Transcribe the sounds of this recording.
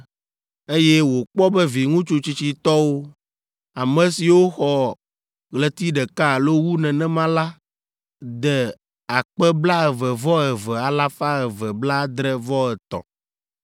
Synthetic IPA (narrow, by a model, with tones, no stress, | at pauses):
e˦jɛ˦wo˨k͡pɔ˦bɛ˦vi˨ŋũ˦t͡ʃu˦t͡ɕi˨t͡ɕi˨t̪ɔ˦wo˦ | a˨mɛ̃˨si˨wo˦xɔ˨ | ɣlɛ˨t̪i˦ɖɛ˨ka˦˨lo˦wu˦nɛ̃˨nɛ̃˦mã˦la˦ | d̪ɛ˨ | a˨k͡pɛ˦bla˦ɛ˨vɛ˨vɔ˦ɛ˨vɛ˨a˨la˦fa˦ɛ˨vɛ˨bla˦d̪ɾɛ˦vɔ˦ɛ˨t̪ɔ̰̃˨